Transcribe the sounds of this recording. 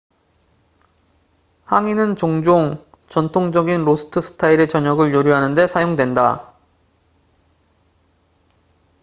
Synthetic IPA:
haŋinɯnt͡ɕoŋd͡ʑoŋ | t͡ɕʌntʰoŋd͡ʑʌɡinɾosʰɯ̥tʰɯsʰɯ̥tʰaiɾet͡ɕʌɲʌɡɯɭjoɾjuɦanɯnde̞sʰajoŋdwe̞nda

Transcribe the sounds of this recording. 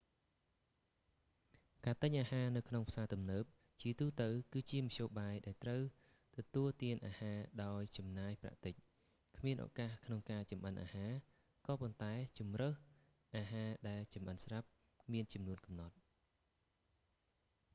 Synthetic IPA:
kaːt̪ɨɲʔaːhaːnɨwkʰnoŋpʰsaːt̪umnəːp̚ | t͡ɕiət̪uːt̪əwkɨːt͡ɕiəmɑɕoːɓaːjɗaɛlt̪rəw | t̪ɔt̪uəlt̪iənʔaːhaːɗaɔjt͡ɕɑmnaːjpra̰ʔt̪ɨc̚ | kʰmiənʔːkaːhkʰnoŋkaːt͡ɕɑmɓənʔa̰ːhaː | kɑːpont̪aɛt͡ɕumrəːh | ʔaːɦaːɗaɛlt͡ɕɑmʔənsrap̚ | miənt͡ɕɑmnuənkɑmnɑt̪̚

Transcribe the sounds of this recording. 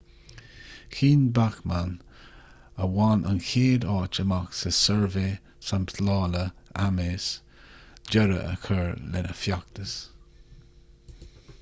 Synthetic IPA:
xiːnbaxman | əwanʔa̰nkeːd̪ɑːt͡ʃəmaksəsəɹveː | samptlɑːləameːs | d͡ʒəɾə̰ʔə̰kʰəɹlɛ̰nəfjak̚t̪əs

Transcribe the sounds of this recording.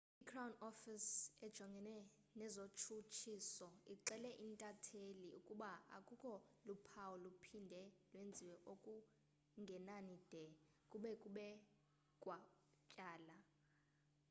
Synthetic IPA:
ikʰrawunɔfisɛd̥ʒ̥ʱɔŋɡʱɛnɛ | nɛzot͡ʃʰut͡ʃʰisɔiǁɛlɛʔintʼatʰeliukʼuɓaa̰kʼukʰʼɔlupʰawɔlupʰindʱɛlwend͡zʱiwɛʔokʼu | ŋɡʱɛnanid̥ʱɛ | kʼuɓɛkʼuɓɛ | kʼwa | t͡ʃʼaːla

